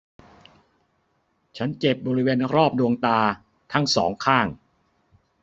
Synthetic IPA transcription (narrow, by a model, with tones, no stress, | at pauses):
t͡ɕʰa˦˥nt͡ɕe˨˩p̚bɔː˧ɾi˦˥weː˧nɾɔː˥˩p̚du˧əŋt̪aː˧ | t̪ʰa˦˥˩ŋsɔː˩˦ŋkʰaː˥˩ŋ